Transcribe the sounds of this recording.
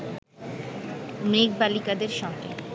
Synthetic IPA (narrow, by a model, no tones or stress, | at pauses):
mɾek̚balikad̪eɾʃɔŋɡḛ